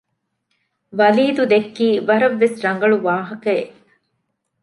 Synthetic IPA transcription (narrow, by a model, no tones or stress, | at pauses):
ʋɐliːd̪ud̪ekːiːʋɐɾɐʋːesɾɐŋ̆ɡɐɭuʋaːɦɐkɐeʔ